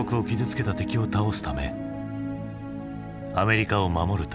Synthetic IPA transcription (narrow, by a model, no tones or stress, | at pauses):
okɯ̟o̞kʲizɨt͡sɨ̥ke̞t̪at̪e̞kʲio̞t̪ao̞sɨ̥t̪ame̞̰ | ame̞ɾʲikao̞mamo̞ɾɯ̟t̪